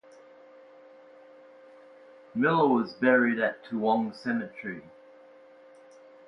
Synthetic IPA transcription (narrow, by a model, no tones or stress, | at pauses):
mɪlˠəwɒzbɛɹiɾətʰəlɒ̃ŋsɛmət͡ʃɹ̥i